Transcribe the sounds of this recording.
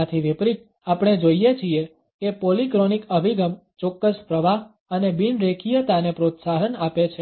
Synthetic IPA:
at̪ʰiʋipɾit̪ | apɽ̃ed͡ʒoijet͡ʃʰie | kepolikɾonikəbʱiɡəmt͡ʃɔkːəspɾəʋaɦ | ənebinɾekʰijət̪anepɾot̪saɦənapet͡ʃʰe

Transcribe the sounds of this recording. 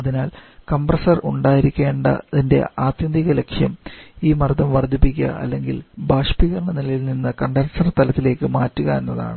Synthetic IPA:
ɐðinaːlkɐmbrɐsɐruɳɖaːjiɾikʲːe̞ːɳɖɐ̰ðinde̞̰aːt̪jɐnd̪iɣɐle̞kʂjɐmiːmɐrd̪ʱɐmʋɐrd̪ʱːipːikʲːɐ̰ʔɐ̰lːe̞ŋɡḭlbaːʂpiɣɐrɳɐnilɐjilninːɨkɐɳɖɐnsɐrt̪ɐlɐt̪ːile̞ːkːɨmaːtːuɣɐenːɐða̰ːɳɨ

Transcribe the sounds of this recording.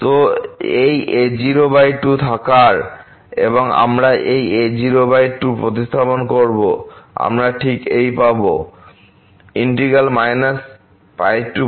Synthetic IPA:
t̪oejʔed͡ʑiɾobajɖʈut̪ʰakaɾ | ḛboŋa̰mɾaʔejed͡ʑiɾobajʈʈupɾot̪ist̪ʰaponkoɾboa̰mɾaʈʰikejpabo̰ | iɳʈiɡalmajnas | pajʈːu

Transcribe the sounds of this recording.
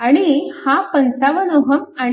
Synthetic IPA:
aɽ̃ihapənt͡saʋənoɦəma

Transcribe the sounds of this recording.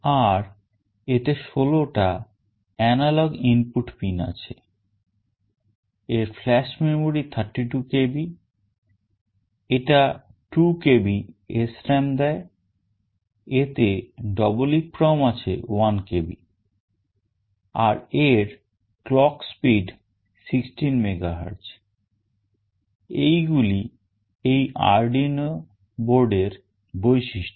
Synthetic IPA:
aɾ | et̪eʃoloʈa | ɛnalɔɡimpuʈpina̰t͡ɕʰe | eɾflɛʃmemoɾit̪ʰəɾʈːiʈukebi | eʈa | ʈukebiesʈɾemd̪ɛe | et̪eɖɔbolik̚pɾawmat͡ɕʰḛwankebḭ | aɾeɾ | klɔkspiɖ | siksʈinmeɡaɦa̰ɾs | ejɡuli | ejʔa̰ɾɖino | boɾɖeɾ | bojʃiʃʈo

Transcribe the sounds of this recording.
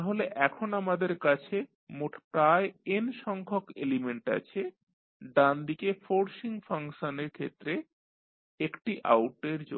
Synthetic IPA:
aɦoleʔɛkʰonamad̪eɾkat͡ɕʰe | moʈʰpɾaeenʃɔŋkʰokelimeɳʈa̰t͡ɕʰe | ɖand̪ikefoɾʃiŋfaŋʃoneɾkʰet̪ːɾe | ekʈiʔa̰wʈeɾd͡ʑo̰

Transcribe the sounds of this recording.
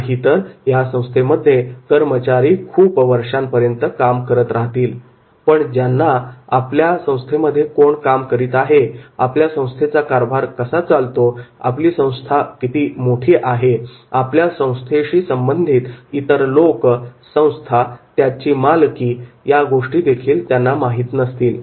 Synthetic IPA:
ɦit̪əɾjasə̃w̃st̪ʰeməd̪ʱːjekəɾmət͡ɕaɾiːkʰuːpʋəɾʂampəɾjənt̪əkamkəɾət̪ɾaɦt̪iːl | pəɳd͡ʑjanːaapljasə̃w̃st̪ʰeməd̪ʱːjekoɳkamkəɾiːt̪aɦeapljasə̃w̃st̪ʰet͡sakaɾbʱaɾkəsat͡salt̪oa̰pliːsə̃w̃st̪ʰakit̪iːmoʈʰiːʔaɦe | apljasə̃w̃st̪ʰeɕiːsəmbənd̪ʱiːt̪it̪əɾloksə̃w̃st̪ʰat̪jat͡ɕiːmalkiːjaɡoʂʈiːd̪ekʰiːlt̪janːamaɦit̪nəst̪iːl

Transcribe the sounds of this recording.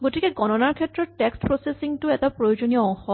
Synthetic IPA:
ɡotikɛɡɔnɔnaɹkʰɛtːɹɔtːɛkstpɹosesiŋtʊɛtapɹojod͡ʑonijɔɔŋxɔ

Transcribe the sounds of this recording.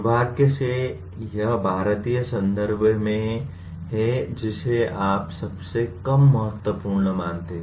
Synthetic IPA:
bʱaːɡkese | jɐɦbʱaːɾət̪ijəsə̃nd̪əɾbʱmẽ | ɦɛd͡ʒɪseaːpsɐbsekɐmːɐɦət̪wəpuːɾɳəmãːnt̪eɦ

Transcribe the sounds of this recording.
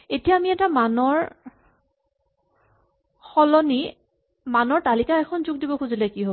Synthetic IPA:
etijaːmiɛtamanɔɹ | xɔlɔni | manɔɹtalikaɛkʰɔnzuɡ̚dibɔkuzilɛkiɦob

